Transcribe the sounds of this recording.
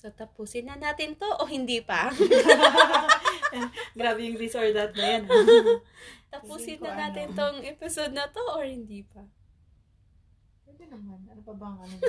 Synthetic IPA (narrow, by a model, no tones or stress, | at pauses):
sot̪ɐpuːsɪnːɐnaːt̪ɪnt̪o̞ʔohɪnd̪iːpɐ | ɡɾaːbɛjʊŋɾisoɹd̪ɐt̪̚nɐjon | t̪ɐpuːsɪnːɐnaːt̪ɪnt̪oŋʔɛpɪsod̪̚nɐt̪o̞ʔoɹhɪnd̪iːpɐ | kɛd̪ɐnɐmanɐnopɐbɐŋɐno